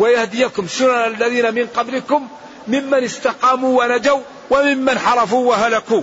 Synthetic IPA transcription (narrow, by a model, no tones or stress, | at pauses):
wajahd̪ɪjakʊmsʊnanalːæðiːnamɪnqɑbləkʊmː | ɪmːanəst̪ɑqɑːmuwanad͡ʒaw | wamɪmːanħɑɾˤɑfuwaɦalaku